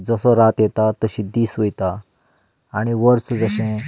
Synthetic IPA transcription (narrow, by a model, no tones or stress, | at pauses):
d͡zəsɔɾat̪jɛt̪at̪əɕĩd̪iːsʋəjt̪a | aɽ̃iʋəɾsd͡zəɕẽ